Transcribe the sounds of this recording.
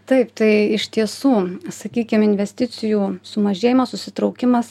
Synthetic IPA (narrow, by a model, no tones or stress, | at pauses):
t̪ɐɪpt̪ɐɪɪʃt̪ʲiɛsuːsɐkʲiːkʲɪmɪnʲʋʲɛsʲt̪ʲɪt̪sʲɪjuːsʊmɐʒʲeːjɪmɐsʊsʲɪt̪ɾɒʊkʲɪmɐs